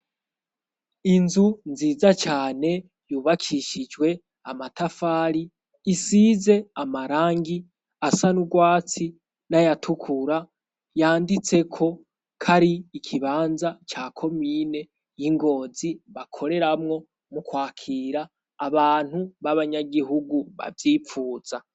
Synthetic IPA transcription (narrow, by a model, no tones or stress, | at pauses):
inzunziːzat͡ʃaːne̞ | juːβakʰiʃid͡ʒɡwe̞ | amatafaːɾiː | siːze̞amaɾaːŋɡi | asanuɡwaːt͡si | najatʰukʰuɾa | jaːndit͡se̞kʰo̞ | kʰaɾiːkʰiβaːnzat͡ʃaːkʰo̞miːne̞ | jiŋɡo̞ːziβakʰo̞ɾe̞ɾamŋo̞ | mukwaːkʰiːɾaː | βaːn̥huβaβaɲaɡiɦuɡuβa̰vjiːfuːz̥a